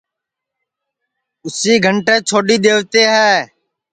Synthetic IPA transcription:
ʊsiːɡʱəɳʈẽːt͡ʃʰoːɖiːɗ̪eːʋt̪eːɦɛː

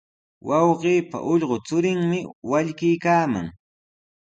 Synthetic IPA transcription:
wɑwɢiːpa̰ʔʊʎɢot͡sʊɾɪŋmɪwaʎkɪjkaːma̰ŋ

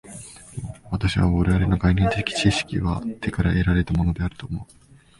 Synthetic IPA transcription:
βat̪aɕiβa̰βoɾe̞βaɾe̞no̞ɡainẽ̞nt̪e̞kʲi̥t͡ɕiɕi̥kʲḭβa̰t̪ʰe̞kaɾa̰ʔeɾaɾe̞t̪amo̞no̞d̪e̞aɾɯ̟t̪o̞ːmo̞ɯ

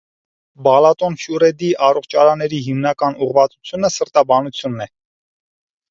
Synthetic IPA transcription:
bɑlɑt̪ɔnfjurɛd̪iʔɑrɔχt͡ʃʰɑɾɑnːɛɾiɦimnɑkɑnuʁvɑt͡su̥t͡sʰjunəsəɾt̪ɑbɑnut͡sʰjunːɛ

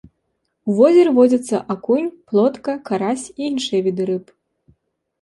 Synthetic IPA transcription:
uvɔzʲɛɾɨvɔd͡zʲɐt̪sːɐʔakunʲplˠɔt̪kɐkaɾasʲiinʂɨjɛvʲid̪ɨɾɨp

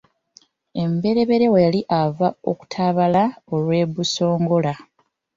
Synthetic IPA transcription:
e̞mbe̞ɾe̞βe̞ɾe̞wejaliʔavao̰ku̥tʰaβalao̞lwe̞ːβuso̞ːŋɡo̞la

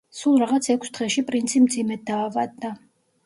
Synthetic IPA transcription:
sulˠɾaʁat̪sʰɛkʰʷsd̪ʁɛʃipʼɾint̪sʰimd̪zimɛd̪̚d̪aːvad̪ːa

